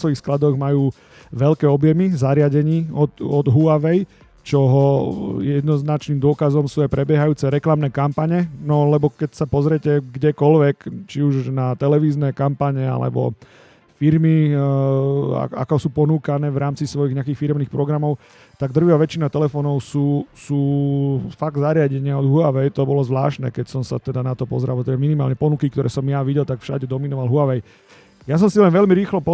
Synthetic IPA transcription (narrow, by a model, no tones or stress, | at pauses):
sʋɔjixsklad̪ɔɣmajuː | ʋɛʎkɛːɔbjɛmizaɾɪaɟɛɲiːɔt̪ɔd̪ɦuaʋɛj | t͡ʃɔɦɔjɛd̪nɔznat͡ʃniːmd̪ʊɔkazɔmsuːajpɾɛbjɛɦajuːt͡sɛɾɛklamnɛːkampaɲɛnɔlɛbɔkɛcsapɔzɾjɛcɛɡɟɛkɔlʋɛkt͡ʃiuʒnat̪ɛlɛʋiːznɛkampaɲɛa̰lɛ̰bɔ̰ | fiɾmi | a̰a̰kɔsuːpɔnuːkanɛːʋɾʔaːmt͡sisʋɔjiɣɲɛak̬iːxfiɾɛmniːxpɾɔɡɾamɔʊ | t̪aɡ̚d̪r̩ʋjaʋɛt͡ʃinat̪ɛlɛfɔːnɔʊsuːsuːfaɡ̚d̪zaɾɪaɟɛɲɪaɔd̪ɦuaʋɛjt̪ɔbɔlɔzʋla̰ːʃnɛ̰kɛcsɔmsa̰t̪ɛd̪anat̪ɔpɔzɾalbt̪ɛbaminima̰ːlɲɛpɔnukikt̪ɔɾɛːsɔmjaʋiɟɛlt̪akfʃa̰ɟɛd̪ɔminɔʋalɦuaʋɛj | jas̬ɔmsilɛnʋɛʎmiɾiːxlɔpɔ